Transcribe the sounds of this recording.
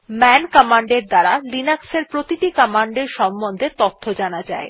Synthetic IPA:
mɛnkɔmaɳɖeɾd̪aɾalinakseɾpɾot̪iʈikɔmaɳɖeɾʃɔmbond̪ʱet̪ot̪ʰːod͡ʑanad͡ʑa̰e

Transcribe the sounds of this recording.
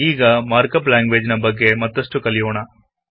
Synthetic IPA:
iːɡɐmaːɾkɐplaːŋɡʋeːd͡ʒinɐbɐɡːemɐt̪ːɐʂʈukɐlijoːɳɐ

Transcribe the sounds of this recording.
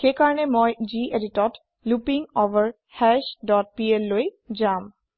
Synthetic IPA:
xekaɹɔnemojd͡ʑiʔeditɔt | lupiŋoʋəɹ | hɛʃdɔt̚pielːoj | d͡ʒam

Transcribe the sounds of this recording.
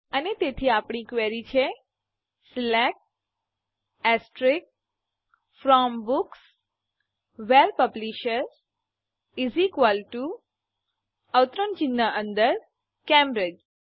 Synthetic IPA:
ənet̪et̪ʰiapɳ̃ikʋeɾit͡ʃʰe | slɛk̚ | ɛsʈɾik̚ | fɾɔmbuks | ʋɛɾpəbliʃəɾ | izikʋalʈu | əwt̪ɾont͡ʃinːəʔənd̪əɾ | kɛ̃mbɾɪd͡ʒ

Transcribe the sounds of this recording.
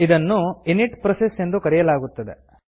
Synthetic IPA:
id̪ɐnːuiniʈpɾɐsesend̪ukɐɾijɐlaːɡut̪ːɐd̪e

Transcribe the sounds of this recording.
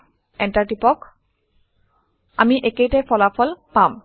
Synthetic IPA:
ɛnʈaɹʈipɔk | a̰miʔekejtɛpʰɔlafʰɔlpam

